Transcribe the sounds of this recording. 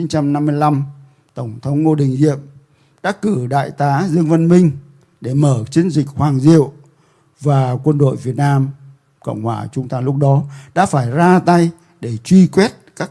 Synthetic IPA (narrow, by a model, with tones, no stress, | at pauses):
i˨˦ŋt͡ɕa˧mna˧mːɨ˧əjla˧m | t̪ə˧˩wŋ͡mt̪ʰə˨˦wŋ͡mŋo˧ɗï˨˩ŋ̟zḭ˧˨əm | ɗa̰ː˧˥kɨ˧˩ɗa̰ː˧˨jt̪aː˨˦zɨ˧əŋvə˧nmï˧ŋ̟ | ɗe˧˩məː˧˩t͡ɕi˨˦ənzï˨˩k̟̚hwaː˨˩ŋzḭ˧˨əw | vaː˨˩kwə˧nɗo̰˧˨jvi˨˩ət̚naː˧m | kə̰˧˨wŋ͡mhwaː˧˩t͡ɕʊ˨˦ŋ͡mt̪aː˧lʊ˦˥k͡p̚ɗɔ˨˦ɗa̰ː˧˥faː˧˩jzaː˧t̪a˧j | ɗe˧˩t͡ɕwi˧kwɛ˦˥t̚kaː˦˥k